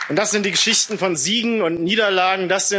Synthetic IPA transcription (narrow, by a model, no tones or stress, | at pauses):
ʊntd̥asz̥ɪnt̚d̥iːɡəʃɪçtn̩fɔnziːɡŋ̩ʊntniːdɐlaːɡŋ̩dasz̥ɪ